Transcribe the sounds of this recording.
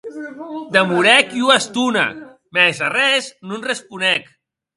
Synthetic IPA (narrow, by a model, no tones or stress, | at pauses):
d̪əmuɾɛkiuast̪una̰ | mɛzarɛznunrespunɛk